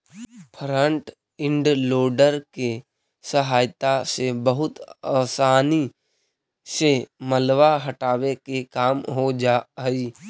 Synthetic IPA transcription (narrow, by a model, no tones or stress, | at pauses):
pʰəɾə̃ɳʈ | ɪ̃ɳɖloːɖəɾke | səɦaːjt̪asebəɦʊt̪aːsaːni | seməlwaɦəʈaːwekekaːmɦod͡ʒai